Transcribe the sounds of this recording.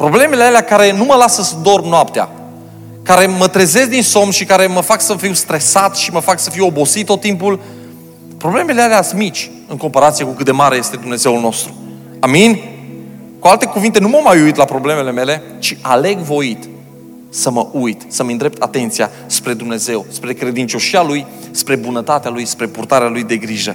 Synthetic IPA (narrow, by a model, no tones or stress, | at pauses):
pɾo̞ble̞me̞lealeakaɾe̞numəlasəsd̪o̞rbnoapt̪ea̰ | kaɾe̞mət̪ɾeze̞s̬d̪inso̞mʃikaɾe̞məfaksəfiwst̪ɾe̞sat̪ʃiməfaksəfiwo̞bo̞sit̪ːot̪ːimpul | pɾo̞ble̞me̞lealeasmit͡ʃʲ | ɨŋko̞mpaɾat̪sije̞kukɨt̪̚d̪e̞maɾeje̞st̪e̞d̪umne̞ze̞wulno̞st̪ɾu | aminʲ | kualt̪e̞kuvint̪e̞numamajuit̪lapɾo̞ble̞me̞le̞me̞le̞ | t͡ʃiʔale̞ɡvo̞it̪ | səməʔujt̪səmind̪ɾep̚t̪at̪e̞nt̪sija̰ | spɾe̞d̪umne̞ze̞wspɾe̞kɾe̞d̪int͡ʃo̞ʃialuj | spɾe̞bunət̪at̪ealujspɾe̞purt̪aɾealujd̪e̞ɡɾiʒə̰